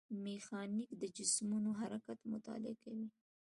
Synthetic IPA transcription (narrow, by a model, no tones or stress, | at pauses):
mexɑnikd̪əd͡ʒɪsmunoɦaɾakat̪mʊt̪ɑ̰lɪakawi